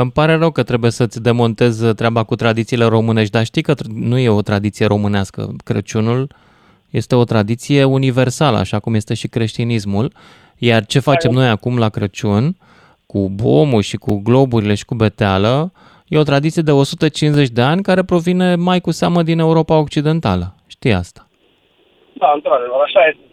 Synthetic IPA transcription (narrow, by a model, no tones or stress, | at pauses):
mpaɾe̞rəwkət̪ɾe̞buje̞sət̪sʲd̪e̞mo̞nt̪e̞zt̪ɾeabakut̪ɾad̪it̪sile̞ɾo̞mɨne̞ʃt̪̚ʲd̪aʃt̪ijkət̪nuje̞o̞t̪ɾad̪it̪sije̞ɾo̞mɨneaskə̰kɾə̰t͡ʃunul | je̞st̪eo̞t̪ɾad̪it̪sije̞unive̞rsalə̰a̰ʃakumje̞st̪e̞ʃikɾe̞ʃt̪inismul | jart͡ʃe̞fat͡ʃe̞mno̞jakumlakɾət͡ʃun | kubo̞̰murʲʃikuɡlo̞buɾile̞ʃi̥kube̞t̪ealə | je̞o̞t̪ɾad̪it̪sijed̪e̞o̞sut̪ət͡ʃinze̞t͡ʃʲd̪e̞anʲkaɾe̞pɾo̞vine̞majkuseaməd̪ine̞uɾo̞pao̞k̚t͡ʃid̪e̞nt̪aləʃt̪ija̰st̪ḁ | d̪aɨnt̪ɾad̪evəɾaʃaje